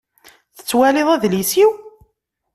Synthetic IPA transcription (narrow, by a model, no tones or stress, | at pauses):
θə̥t͡sːwælɪðˤæðlisiw